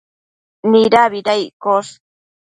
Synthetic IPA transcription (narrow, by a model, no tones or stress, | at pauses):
niɾaβiɾajkos